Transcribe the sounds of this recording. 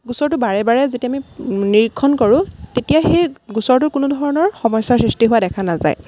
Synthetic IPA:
ɡusɔɹtʊbaɹɛbaɹɛzetiaminiɹikʰːɔnkɔɹʊ̃tetijaxejɡusɔɹtʊkʊnudʱɔɹɔnɔɹxɔmɔjsaɹsɹistiɦʊwadɛkʰanaza̰j

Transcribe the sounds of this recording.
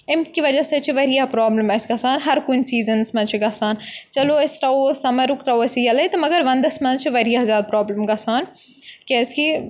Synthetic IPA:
ɪmkiʋɐd͡ʒɐsɐt͡ʃʰiʋɐɾijapɾaːbləmɐsɡɐsaːnɦɐɾkunsiːzənsmɐ̃t͡ʃʰiɡɐsaːnt͡ʃɐloɐsʲt̪ɐosɐmɐɾukt̪ɐoɐsijɐlɐt̪ɐmɐɡɐɾʋɐ̃nd̪ɐsmɐ̃t͡ʃʰiʋɐɾijazaːd̪̚pɾaːbləmɡɐsaːn | kɐski

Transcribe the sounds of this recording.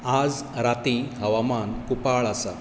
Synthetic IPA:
ad͡z | ɾat̪ĩɦəʋamankupaɭasa

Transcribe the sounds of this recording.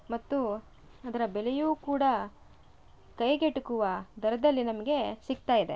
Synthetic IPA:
mɐt̪ːu | ɐd̪ɐɾɐbɛlejuːkuːɽɐ | kɐjɡeʈukuʋɐd̪ɐɾɐd̪ɐlːinɐmɐɡe̞sik̚t̪aːjid̪e̞̰

